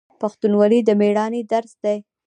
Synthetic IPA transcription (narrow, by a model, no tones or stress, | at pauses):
paxt̪unwalid̪əmeɽɑnid̪aɾsd̪aj